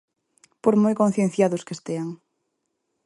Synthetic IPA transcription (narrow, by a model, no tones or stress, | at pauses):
poɾmojkon̟θjen̟θjaðʊskest̪eaŋ